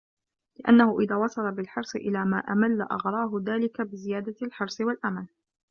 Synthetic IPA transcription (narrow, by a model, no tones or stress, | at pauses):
lɪʔa̰nːahʊʔɪðaːwɑsˤɑlɑbɪlħɑɾˤsˤɨʔɪlaːmaːʔamalːa̰ʔɑɣɾˤɑːɦʊðaːlɪkabɪzɪjaːd̪alħɑɾˤsˤɨwalʔamal